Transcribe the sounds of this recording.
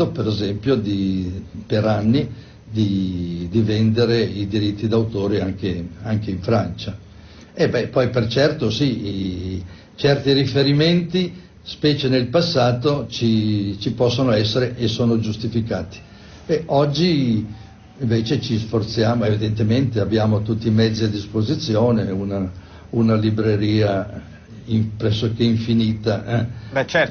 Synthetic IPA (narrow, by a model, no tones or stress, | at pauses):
opeɾezɛmpjod̪ipeɾanːi | d̪id̪ivɛnd̪eɾeid̪iɾit̪ːid̪awt̪oːɾeaŋkeaŋkeiɱfɾant͡ʃa | ebɛpːɔjpert͡ʃɛrt̪osi | t͡ʃɛrt̪iɾifeɾiment̪i | spɛːt͡ʃenelpasːaːt̪ot͡ʃit͡ʃipɔsːonoɛsːeɾeʔesːoːnod͡ʒust̪ifikaːt̪i̥ | bɛʔɔd͡ʒːiː | ɱveːt͡ʃet͡ʃisfort̪sjaːmoevid̪ent̪ement̪eabːjaːmot̪ut̪ːimɛd̪zːiad̪ːispozit̪sːjoːneuna | unalibɾeɾiːa | iɱpɾɛsːokeiɱfiniːt̪aɛɛt͡ʃ